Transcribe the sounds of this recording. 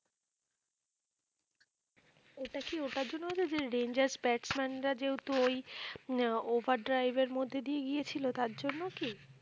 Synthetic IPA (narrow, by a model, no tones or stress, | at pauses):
oʈakioʈad͡ʑonːoɦot͡ɕʰed͡ʑeɾend͡ʑaɾsbɛʈsmɛnɾad͡ʑeɦut̪ooj | obʱaɾɖɾajbeɾmod̪ʱːed̪ijeɡijet͡ɕʰilot̪aɾd͡ʑonːoki